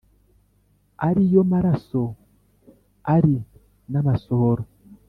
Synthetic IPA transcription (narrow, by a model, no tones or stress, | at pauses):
a̰ɾijomaɾaso | aɾi | namasoɾo